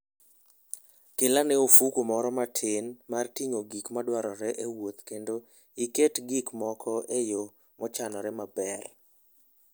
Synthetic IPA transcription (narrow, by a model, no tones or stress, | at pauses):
kɪlanɛofukomɔɾɔmatʰɪnmartiɲoɡikmadwaɾɔɾɛʔewot̪kendo | iketɡikmɔkʰɔʔejo | mɔt͡ʃanɔɾɛmabɛr